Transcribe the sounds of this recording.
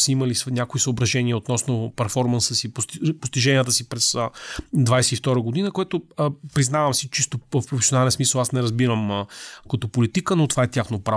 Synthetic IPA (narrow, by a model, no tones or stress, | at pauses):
səiməlisnʲakoisəobɾɐʒɛnʲiəot̪nɔsnopɛɾfɔɾmənsəsippost̪iʒɛniət̪əsipɾɛsəd̪vajsɛift̪ɔɾəɡod̪inəkoɛt̪ʊpɾiznavəmsit͡ʃist̪ofpɾofɛsʲionalɛnsmisəlˠasnɛɾɐzbiɾəmkɐt̪ɔpolit̪ikənot̪vaɛt̪ʲjaxnopɾa